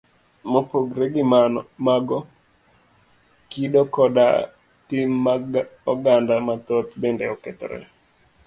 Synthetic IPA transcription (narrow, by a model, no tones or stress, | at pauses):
mopoɡɾeɡimaɡɔ | kiɗokɔda̰ | timːaɔɡandamat̪ot̪bendɛɔkɛt̪ɔɾɛ̰